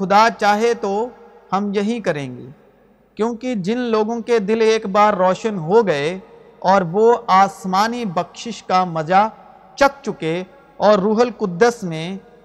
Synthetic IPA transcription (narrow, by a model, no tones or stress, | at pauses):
xʊd̪at͡ʃaːɦet̪o | hɐmjɐɦĩkɐɾẽːŋɡḛː | kjõːkid͡ʒɪnloːɡõked̪ɪleːkbaːɾːɔːʃənɦoɡɐe | ɔːɾʋoaːsmaːnibɐkʃɪʃkamɐza | t͡ʃɐk̚t͡ʃʊke | ɔːɾːuːɦəlkʊd̪ːəsmẽ